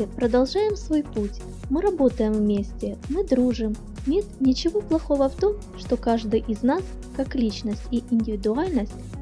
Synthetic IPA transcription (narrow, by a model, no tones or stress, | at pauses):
ɪpɾəd̪ɐlˠʐajɪmsvo̞jputʲ | mɨɾɐbo̞t̪əjɪmvmʲesʲtʲɪmɨd̪ɾuʐɨm | nʲe̞t̪nʲɪt͡ɕɪvo̞plˠɐxo̞vəft̪o̞m | ʂt̪o̞kaʐd̪ɨjʔɪznas | kaklʲit͡ɕnəsʲtʲiʔɪnʲdʲɪvʲɪd̪ʊalʲnəsʲtʲ